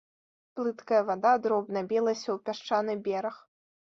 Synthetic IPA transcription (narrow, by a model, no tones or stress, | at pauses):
plˠɨt̪kɐjɐvad̪ad̪ɾɔbnɐbʲilˠɐsʲɐwpʲaʂt͡ʂanɨbʲɛɾɐx